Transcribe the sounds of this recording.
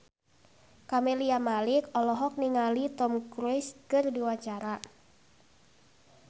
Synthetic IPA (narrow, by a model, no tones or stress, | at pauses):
kamɛliamalikɔlɔɦɔk̚niŋalit̪ɔmkɾuɪskɨrdiwaɲt͡ʃaɾa